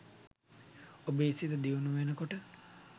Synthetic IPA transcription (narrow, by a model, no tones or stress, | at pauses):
obeːsit̪əd̪iunuʋenəkoʈə